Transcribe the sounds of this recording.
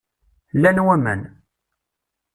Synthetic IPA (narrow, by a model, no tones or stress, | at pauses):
lːænwæmæ̰n